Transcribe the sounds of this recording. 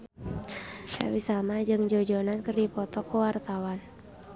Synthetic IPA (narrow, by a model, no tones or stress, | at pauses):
da̰wisamad͡ʒɨŋd͡ʒɔd͡ʒɔnankɨrdipɔt̪ɔkuwart̪awan